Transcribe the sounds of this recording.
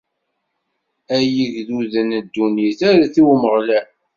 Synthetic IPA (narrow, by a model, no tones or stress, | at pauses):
æjəʝðuðənəd̪ːunjiθaɾæθiwməʁlæ